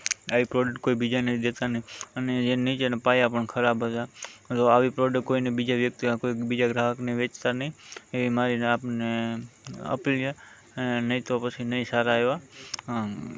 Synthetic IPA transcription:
aʋipɾɔɖəʈʈkoibid͡ʒanəĩd̪et̪anəɦiəned͡ʒenəĩt͡ʃenepajapəɳkʰəɾabʱɦət̪at̪oaʋipɾoɖəkkːoinebid͡ʒaʋjək̚t̪ikoibid͡ʒaɡɾaɦəknəiʋet͡ʃt̪anəɦĩeʋimaɾinapne | ə̰pilje | nenəɦĩt̪opət͡ʃʰinəĩsaɾaeʋaɦ

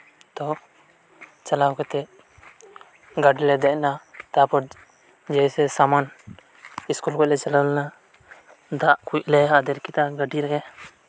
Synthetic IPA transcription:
t̪ɔ | t͡ʃalawkɛt̪ɛ | ɡaɖilɛd̪ɛʔ̚nat̪apɔ | d͡ʒɛjsɛsaman | iskulkɔc̚lɛt͡ʃalalna | d̪aʔkʰuclɛad̪ɛɾkit̪aɡaɖiɾɛkɛ

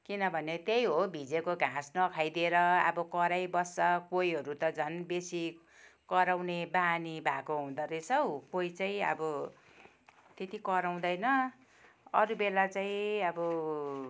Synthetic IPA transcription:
kinʌbʱʌnet̪ejɦobʱid͡zekoɡʱãsnʌkʰajd̪ieɾʌʌ̰bʌkʌɾajbʌsʌkojɦʌɾut̪ʌd͡zʱʌnbesi | kʌɾawnebaniba̰koɦũd̪ʌɾet͡sʰʌwkoit͡saĩʌ̰bʌ | t̪et̪ikʌɾaw̃d̪ʌjnʌ | ʌɾubelat͡saĩʌbʌ

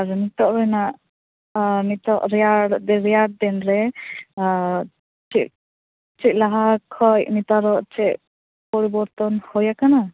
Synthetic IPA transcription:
aɾɛmit̪ɔʔɾɛnaʔ | mit̪ɔʔɾɛjaɽd̪ɛɾɛjaɽ̚d̪ɛnɾɛ | t͡ʃiʔ̚ | t͡ʃiʔ̚laɦakʰɔjmit̪aɾɔʔt͡ʃɛʔ | pɔɾibɔɾt̪ɔnhɔjakana

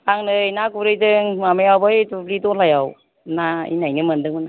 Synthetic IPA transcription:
aŋnɯjnaɡuɾɯjdɯŋmamejawbɯjtulidɔlajaw | naḭnajnɯmɯndɯŋmɯna

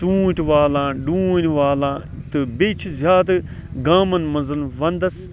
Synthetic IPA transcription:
tũːʈʋaːlãːɖuːnʲʋaːlãː | t̪ɨbet͡ʃʰizʲaːd̪ɐ | ɡaːmɐnmɐnzɐnʋɐnd̪ɐs

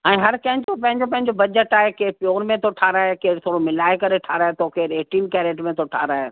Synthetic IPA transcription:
ɛ̃ːɦɐɾkɐ̃ɦɲt͡ɕopɐ̃ɦɪ̃ɲd͡ʑopɐ̃ɦɪ̃ɲd͡ʑobɐd͡ʑəʈaːɦekeːpijoːɾmẽt̪ʰoʈʰaːɾaːɦekeːt̪ʰoːɽomɪlaːekɐɾeʈʰaːɾaːɦet̪ʰoːkeːɾeːʈiːnkɛːɾeːʈmẽt̪ʰoʈʰa̰ːɾaːɦe

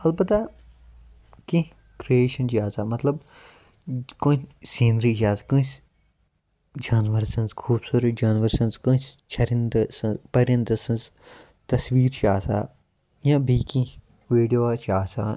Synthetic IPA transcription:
ɐlbɐt̪ːaː | kĩ | kɾieːʃɐnt͡ʃaːzaːmɐt̪lɐb | kõːt͡ʃsĩːnɾiːd͡ʒaːzkũːs | d͡ʒaːnʋɐɾsɐ̃nzkʰuːbsuɾd͡ʒaːnʋɐɾsɐnzkũːt͡ʃt͡ʃʰɐɾind̪sɐ̃nzpɐɾɐ̃nd̪ɐsɐ̃nz | t̪ɐsʋiːɾt͡ʃʰaːsa̰ː | jãːbʱiːkĩ | ʋeːɖijoːat͡ʃʰaːsa̰ː

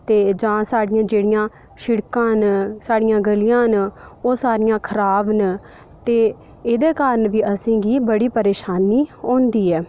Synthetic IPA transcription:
t̪eːd͡ʒãːsaːɽɪjãːd͡ʒeːɽɪjãː | ʃɪɽkãːɦənsaːɽɪjãːɡəlɪjãːɦnoːsaːɾɪjãːkʰəɾaːbn | t̪eː | ɪd̪eːkaːɾəɳʋiːʔəsẽːɡiːbəɽiːpəɾeːʃaːniːõːnd̪iːɛː

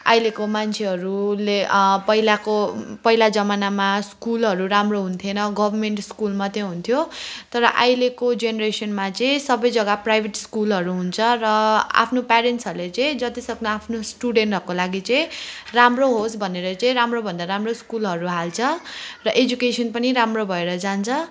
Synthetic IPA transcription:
ajlekomant͡sʰeɦʌɾulepʌɦilakopʌilad͡zʌmanamaskulɦʌɾuɾamroɦunt̪ʰjenʌɡʌbʱʌrmeɳʈskulmat̪jẽɦunt̪ʰjot̪ʌɾʌʔajlekod͡zeneɾesʌnmat͡sʌ̃ĩsʌbʌjd͡zʌɡaprajbʱeʈskulɦʌɾuɦunt͡sʰʌrʌa̰pʰnopaɾenʈsʌɾulet͡sʌĩd͡zʌt̪isʌknʌapʰnosʈuɽeɳʈɦʌrkolaɡit͡sʌĩramroɦosbʱʌneɾʌt͡sʌĩɾamrobʱʌnd̪aɾamroskulɦʌɾuɦalt͡sʰʌrʌʔed͡zukesʌnpʌniɾamrobʱʌeɾʌd͡zant͡sʰʌ

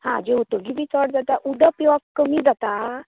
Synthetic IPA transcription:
hã̰d͡ʑeut̪əɡibʱiːt͡sɔʈ̚d͡zat̪aʔud̪ʱəpjʋakkəmiːd͡zat̪a

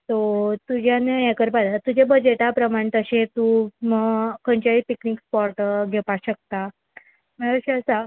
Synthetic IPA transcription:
t̪ot̪ud͡ʑʱjaneɛkəɾpad̪at̪ud͡ʑebəd͡ʑeʈapɾəmaɳ̃t̪əɕẽt̪uməkəɳt͡ɕaipiknikspɔɾʈɡʱepaɕək̚t̪a | məɽaɕeəsa

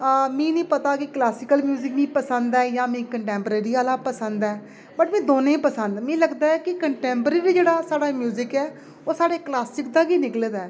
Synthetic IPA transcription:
mĩːnĩːpət̪aːkɪklaːsɪkəlmjuːzɪkmĩːpəsə̃nd̪ɛːjãːmĩːkəɳʈɛ̃ːmpəɾeːɾiːaːlaːpəsənd̪ɛː | bəʈmɛ̃ːd̪oːnẽːpəsənd̪mɛ̃ːləɡd̪aːɛːkɪkəɳʈɛ̃ːmpəɾeːɾiːd͡ʒeːɽaːsaːɽaːmjuːzɪkɛː | oːsaːɽeːklaːsɪk̚d̪aːɡiːnɪkleːd̪ɛː

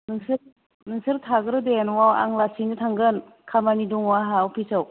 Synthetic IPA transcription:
nɯŋsɯ | nɯŋsɯɾtʰaɡɯɾɯdenwawa̰ŋlasinɯtʰaŋɡɯn | kʰamaniduŋwaɦawpʰisɯw

